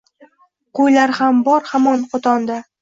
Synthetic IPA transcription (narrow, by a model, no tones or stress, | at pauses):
qojlaɾhambɒɾhamɒnqʰot̪ʰɒnd̪a